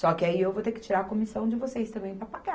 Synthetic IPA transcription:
sɔkɪaiewvot̪eɾkɪ̥t͡ʃiɾaɾɐkomisɐ̃w̃d͡ʒɪvosejst̪ɐ̃mbẽj̃pɾɐpaɡa

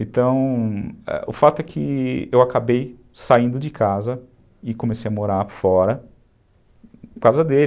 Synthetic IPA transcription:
ẽt̪ɐ̃w̃ɛ̰ʊ̰fat̪ʊɛkʰɪewakabej | saĩnd̪ʊd͡ʒɪkazɐ | ɪkõmesejɐmoɾaɾfɔɾɐ | kawzɐd̪el

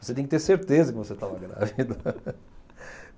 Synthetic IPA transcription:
voset̪ẽk̚t̪eɾseɾt̪ezɐkɪvoset̪ãɐɡɐna̰vid̪ɐ

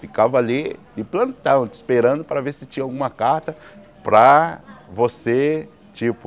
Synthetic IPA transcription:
fikavɐalid̪ɪplɐ̃nt̪ɐ̃nd̪ʊɪspeɾɐ̃nd̪ʊpɾɐveɾsɪt͡ʃĩɲɐawɡũmɐkaɾt̪ɐ | pɾɐvose | t͡ʃipʊ

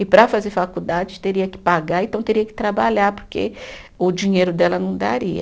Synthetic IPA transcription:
ɪpɾɐfazeɾfakud̪ad͡ʒɪt̪eɾiɐkɪ̥paɡaɾẽt̪ɐ̃w̃t̪eɾiɐkɪ̥t̪ɾabaʎaɾpoɾkḛ | ʊd͡ʒĩɲejɾʊd̪ɛlɐnɐ̃w̃d̪aɾiɐ̰

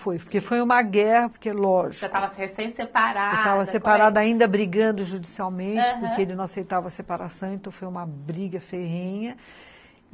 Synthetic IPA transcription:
fojpoɾkefojũmɐɡɛhɐpoɾkelɔʒiktk̪avɐshesẽj̃sepaɾat̪avɐssepaɾad̪ɐaĩnd̪ɐbɾiɡɐ̃nd̪ʊʒud͡ʒisiawmẽnt͡ʃɪpoɾkkeelɪnɐ̃w̃asejt̪avɐsepaɾasɐ̃w̃ẽnt̪ɐ̃w̃fojũmɐbɾiɡɐfeɦẽɲɐ

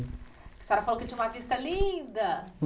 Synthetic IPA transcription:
kɪ̥sɛɾɐfalokɪt͡ʃĩũmɐvist̪ɐlĩd̪ɐ

